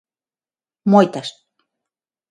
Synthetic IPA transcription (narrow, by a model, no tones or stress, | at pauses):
mojt̪aʃt̪̚